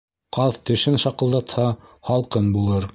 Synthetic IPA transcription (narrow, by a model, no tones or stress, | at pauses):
qɑðt̪ɘ̆ʃɘnʃɑqɤ̆lˠd̪ɑt̪hɑhɑlˠqɤnbulˠɤɾ